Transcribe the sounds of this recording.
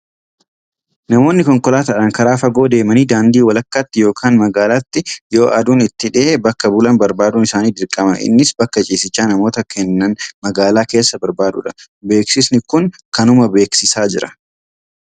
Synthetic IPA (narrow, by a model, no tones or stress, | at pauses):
nɐmo̞ːnːɪkɔŋkʼɔlaːt̪ɐᶑɐŋkɐɾaːfɐɡo̞ːd̪e̞ːmɐniːd̪aːnd̪iːwɐlɐkːɐt̪ːɪjo̞ːkʰaːnmɐɡaːlat̪ːɪjo̞ːʔɐ̰d̪uːnɪt̪ːɪᶑɪʔebɐkːɐbʊlɐnbɐɾbaːd̪uːnɪsaːniːd̪ɪɾkʼɐmɐʔɪ̰nːɪsbɐkːɐt͡ʃʼiːsɪt͡ʃːaːnɐmo̞ːt̪ɐkʰɛnːɐnmɐɡaːlaːke̞ːsːɐbɐɾbaːd̪ʊ̰ᶑɐ̥ | be̞ːksɪsnɪkʊŋkɐnʊmɐbe̞ːksɪsaːd͡ʒɪɾɐ̥